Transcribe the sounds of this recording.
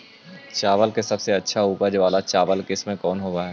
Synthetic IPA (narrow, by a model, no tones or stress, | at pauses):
t͡ʃaːʋəlkesɐbseɐtːʃʰauːpəd͡ʒʋaːlat͡ʃaːʋəlkɪsmẽkɔːnɦoːaɦɛː